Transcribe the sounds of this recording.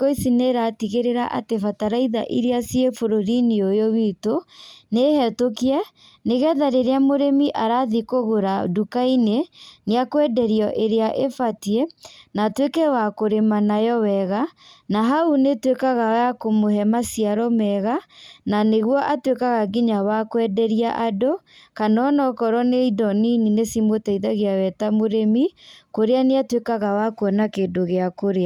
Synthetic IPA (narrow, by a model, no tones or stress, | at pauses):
koisineɾatiɣeɾeɾaʔa̰tefataɾaiða̰ʔiɾeasiefoɾoɾiniojowitonehɛtokia | neɣɛðaɾeɾeamoɾemiʔaɾaðikoɣoɾa̰dukaineneakwɛdɛɾiɔʔeɾeaʔefatienatwekɛwakoɾemanajɔwɛɣanaɦaunetwekaɣawakomoɦɛmasiaɾɔmɛɣananeɣwɔʔatwekaɣaɡiɲawakwɛdɛɾiaʔado | kanɔnɔkɔɾɔneidɔnininesimotɛiðaɣeawɛtamoɾemikoɾeaneatwekaɣawakoɔnakendoɣeakoɾea